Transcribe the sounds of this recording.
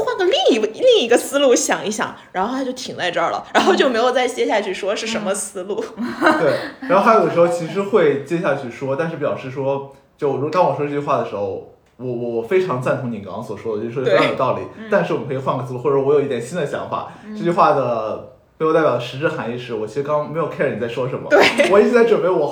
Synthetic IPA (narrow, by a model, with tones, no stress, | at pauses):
xwa˥˩nɡə˧˩li˥˩ŋ˧˥˧li˥˩ŋi˧˥ɡə˧sɹ̩˥lu˥˩ɕjɑ˨˩ŋi˧˥˩ɕjɑ̰˨˩˦ŋɻa˧˥nxo˥˧˥t͡ɕo˥˩ʊi˨˩ŋt͡sa˥˧ɪʈ͡ʂə˞˥˩lə̰˩ɻa˧˥nxo˥˧ʊt͡ɕo˥˩me˧˥ɪjo˨˩ʊt͡sa˥˩ɪt͡ɕjɛ˥ɕ̬ja˥˧t͡ɕʰy˥˩ʂwɔ˥ʂɻ̩˥˩ʂə˧˥nmə˧sɹ̩˥lu˥˩t̪we˥˩ɪɻo˥xa˥o˧˩ə˩ʂɻ̩˧˥o˥˧ʊt͡ɕʰi˧˥ʂ̬ɻ̩˧˥xwe˥˩ɪt͡ɕjɛ˥ɕja˥˧t͡ɕʰy˥˩ʂwɔ˥t̪a˥˧nʂɻ̩˥˩p̬jɑ˨˩ʊʂɻ̩˥˩ʂwɔ˥ | t͡ɕjo˥˩ʊ˩ɻu˥˧t̪ɑ˥ŋwɔ˨˩ʂwɔ˥ʈ͡ʂɤ˥˧˩t͡ɕy˧xwa˥˩ə˩ʂɻ̩˧˥xo˥˧ʊ | wɔ˨˩wɔ˨˩wɔ˨˩fe˥ɪʈ͡ʂʰɑ˧˥ŋt͡sa˥˩nt̪ʰʊ˧˥ŋni˨˩ŋkɑ˧˥swɔ˨˩ʂwɔ˥də˧t͡ɕo˥˧˩jo˨˩t̪ɑ˥˩ʊli˨˩˦t̪a˥˧nʂɻ̩˥˩wɔ˨˩kʰɤ˧˥˨xwa˥˧nkə˧˥sɹ̩˧lu˥˧xwwwjo˨˩i˥˩jɛ˨˩nɕi˥nd̪ə˨ɕjɑ̰˧˥ŋfa̰˨˩ | ʈ͡ʂɤ˥˩t͡ɕy˧xwa˥˩d̪ə˩ | me˧˥jo˨˧t̪jd̪ə˩ʂɻ̩˧˥ʈ͡ʂɻ̩˥˩xa˧˥ni˥˧ʂɻ̩˥˩wɔ˨˩t͡ɕʰi˧˥ʂɻ̩˧˥kɑ˥ŋme˧˥jo˨ʊkʰn˨˩t͡sa˥˩ɪʂwɔ˥ʂə˧˥nmə̰˧we˥˩ɪwɔ˨˩i˥˩t͡ɕʰi˧˥t͡sa˥˩ʈ͡ʂwə˨˩npe˥˩ɪwɔ˨˩